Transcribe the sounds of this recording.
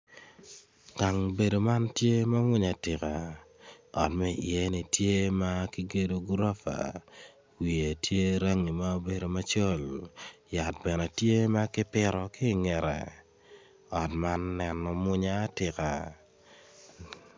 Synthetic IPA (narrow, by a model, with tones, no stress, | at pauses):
ɡ̥a˨ŋbe˨do˨ma˦ntje˦ma˦mʊ˦ɲa˨tɪ˨ka˨ | ɔ̰˨tmɛ˦˨ɪ˨e˦ni˨tje˦ma˦kɪ˦ɡe˦do˦ɡɾa˦fa̰˨ | wi˨e˨tje˦ɾa˦ŋi˨ma˦o˦be˨do˨ma˦t͡ʃo˦lja˨t̚bɛ˨nɛ˨tje˦ma˦kɪ˦pɪ˦ɾɔ˨kɪ˦˨ŋɛ˨ɾɛ̰˨ | ɔ˨tma˦nːɛ˨nɔ˨mʊ˦ɲaː˦tɪ˨ka˨